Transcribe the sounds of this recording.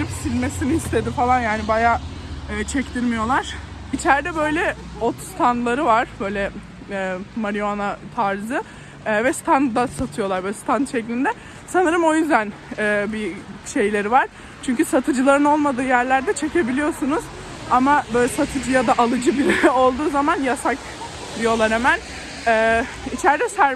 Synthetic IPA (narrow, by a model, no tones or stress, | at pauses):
ɾipsilʲme̞sinihist̪ʰe̞d̪ifalˠanjaːnibajaːɛːt͡ʃʰɛct̪ʰiɾmijo̞lˠaɾ̥it͡ʃʰæɾd̪ɛbø̞jlʲɛ | ot̪st̪ʰand̪lˠaɾɯvaɾ̥bø̞jlʲɛ | ɛːmaɾijonat̪ʰaɾzɯː | vɛst̪ʰand̪asat̪ʰɯjo̞lˠaɾbølʲst̪ʰant̪ʃʰɛclʲind̪ɛ | sanɯɾɯmo̞jyzd̪æn | ɛːbiʃe̞jlʲe̞ɾivaɾ̥ | t͡ʃʰyɲcysat̪ʰɯd͡ʒɯlˠaɾɯno̞lˠmad̪ɯːjæɾlʲæɾd̪ɛt͡ʃʰe̞ce̞bilʲijo̞sunuz̥ | amabøjlʲɛsat̪ʰɯd͡ʒɯjad̪aʔalˠɯd͡ʒɯbilɛo̞lˠd̪uːzamanjasak | d̪ijo̞lˠaɾhɛmæn | ɛː | it͡ʃʰæɾd̪ɛsæɾ